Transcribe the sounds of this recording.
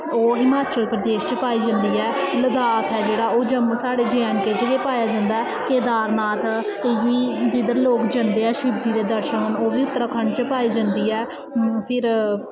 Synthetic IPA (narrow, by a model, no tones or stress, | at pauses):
oːɦɪmaːt͡ʃəlpɾəd̪eːʃt͡ʃəpaːiːd͡ʒə̃nd̪iːɛːləd̪aːt̪ʰɛːd͡ʒeːɽaːoːd͡ʒəmːsaːɽeːd͡ʒɛːnkeːd͡ʒəɡeːpaːjaːd͡ʒãːnd̪aːɛːkeːd̪aːɾnaːt̪ | ɪiːd͡ʒid̪əɾloːkd͡ʒə̃nd̪eːɛːʃɪbd̪iːd̪eːd̪əɾʃəkənoːʋiːʊt̪ːəɾaːkʰəɳt͡ʃəpaːiːd͡ʒãnd̪iːɛː | pʰɪɾ